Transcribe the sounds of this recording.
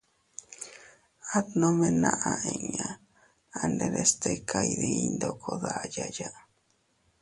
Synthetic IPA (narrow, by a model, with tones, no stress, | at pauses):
a˦t̪nõ˦mẽ˦nã˧ʔa˧ʔe˨ɲã˨ | a˨nde˧ɾest̪e˧kʰa˨jɾei˧nd̪okʰo˨ðajaja